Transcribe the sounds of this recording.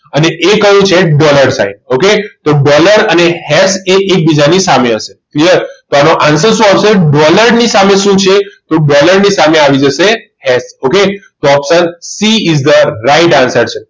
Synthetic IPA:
əneʔekəjũt͡ʃʰeɖɔləɾsa̰inoket̪oɖɔləɾənehɛseʔek̚bid͡ʒanisameɦəʃekliəɾt̪oanoʔansəɾʃũaʋseɖɔləɾnisameʃũt͡ʃʰet̪oɖɔləɾnisameaʋid͡ʒəʃehɛsoket̪oɔpsənsiɪzd̪əɾaɪʈansəɾt͡ʃʰe

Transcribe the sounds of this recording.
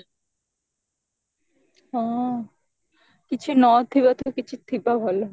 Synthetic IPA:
ɔ | kit͡ɕʰunɔt̪ʰːibat̪ʰokit͡ɕʰut̪ʰipabʱɔlo

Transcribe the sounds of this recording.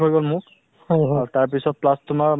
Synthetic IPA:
ɦojɡɔlmʊk | hɔɦaɹtaɹpisɔt̚plastʊmaɹ

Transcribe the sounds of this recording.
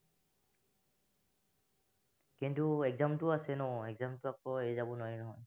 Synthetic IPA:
kintuɛɡzamtʊasɛnɔɛɡzamtʊakɔezabɔnɔjnɔɦɔj

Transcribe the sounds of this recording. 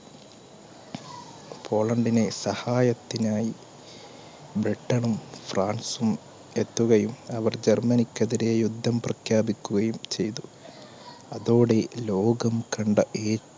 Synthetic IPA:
pʰo̞ːɭɐɳɖine̞sɐhaːjɐt̪ːinaːji | bɾiʈːɐɳumfraːnsum | e̞t̪ːuɣɐjumɐʋɐrd͡ʑermɐnikʲːɐðiɾejud̪ʱːɐmprɐkʰjaːbikʲːuɣɐjumt͡ɕe̞jt̪u | ɐðoːɽe̞lo̞ːɡɐmkɐɳɖɐʔeː

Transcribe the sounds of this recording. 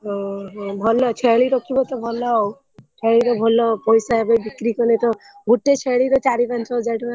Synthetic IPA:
ɦɔ̃ɦɔ̃bʱɔlːɔt͡ʃʰeɭiɾɔkibɔt̪ɔbʱɔlːaɔw | t͡ʃʰeɭiɾɔbʱɔlːɔpɔjsaɦebɔjbikɾikɔnet̪ɔ | ɡuʈːet͡ʃʰeɭiɾɔt͡ʃaɾibant͡ʃad͡ʒajʈʰi

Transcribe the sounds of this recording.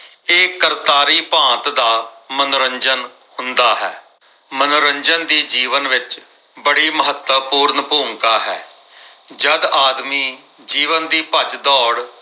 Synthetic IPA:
eːkəɾt̪aːɾiːpãːt̪d̪aːmənʊɾəɲd͡ʒən | hʊnd̪aːɦɛː | mənoɾəɲd͡ʒənd̪iːd͡ʒiːʋənʋɪt͡ʃ | bəɽiːməɦət̪əpuːɾnpoːŋkaːɦɛ̰ː | d͡ʒəd̪aːd̪miː | d͡ʒiːʋənd̪iːpət͡ʃd̪ɔːɽ

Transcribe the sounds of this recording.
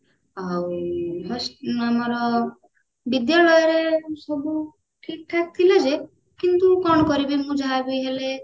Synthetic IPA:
ɔwɦɔsamɔɾɔ | bid̪jalɔjɔɾesɔbu | ʈʰik̚ʈʰak̚t̪ʰiled͡ʒe | kint̪ukɔñɔkɔɾibimũd͡ʒʱabɔjɦele

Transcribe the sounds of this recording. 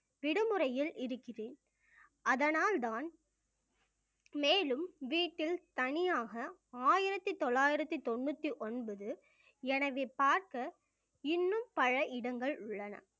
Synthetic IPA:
ʋɪɽɯmɯrɐjɪlɪɾɯkːɪreːn | ɐðɐnaːld̪aːn | meːlɯmʋiːʈːɪlt̪ɐnɪjaːɣɐaːjɪɾɐt̪ːɯt̪ɔɭːaːjɪɾɐt̪ːɯt̪ɔnːɯt̪ːiʔɔnbɐðɯ | ɛnɐʋeːpaːɾkɐ | ɪnːɯmpɐɻɐʔɪɽɐŋɡɐɭʊɭːɐnɐ̰

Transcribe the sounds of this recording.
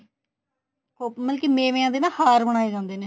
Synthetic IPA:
koːməlkimẽːʋẽːãːnd̪eːnaːhaːɾbəɽ̃aːeːd͡ʒãːnd̪eːneː

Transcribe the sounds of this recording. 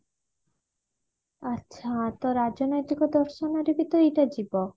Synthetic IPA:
aɕʰat̪ɔɾad͡ʑonojt̪ikod̪ɔɾʃɔnaɾibit̪oejʈad͡ʑibɔ

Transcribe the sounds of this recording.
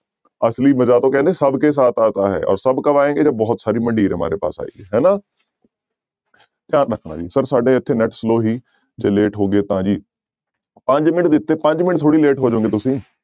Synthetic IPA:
əsliːməzaːt̪õːkɛ̃ːnd̪eːsəbkeːs̬aːt̪aːt̪aːɦɛ̰ːʔɔ̰ːɾsəbkəʋaːẽːɡeːd͡ʒaːbɔːt̪saːɾiːmə̃ɳɖiːɾɦəma̰ːɾeːpa̰ːsa̰ːḭːɦɛːnaː | t̪ɪãːɾəkʰnã̰ːd͡ʒḭːsəɾsaːɖeːət̪ʰːeːnɛʈsloːɦiː | d͡ʒeːleːʈɦoːɡeːt̪ãːd͡ʒiː | pə̃ɲd͡ʒmɪnd̪ɪt̪ːeːpə̃ɲd͡ʒmɪɳt̪ʰoːɽiːleːʈɦoːd͡ʒaõːŋɡeːt̪ʊsĩː

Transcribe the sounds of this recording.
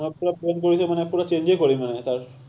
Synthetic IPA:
ɔpːuɾapenkoɾisomanepːuɾat͡ɕeɲd͡ʑekoɾimanet̪aɾ

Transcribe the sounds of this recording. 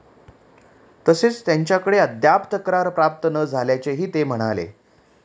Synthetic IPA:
t̪əset͡st̪jaɲt͡ɕjakəɽeəd̪japt̪əkɾaɾpɾap̚t̪ənəd͡zʱaljat͡seɦiːt̪em̤əɽ̃alḛ

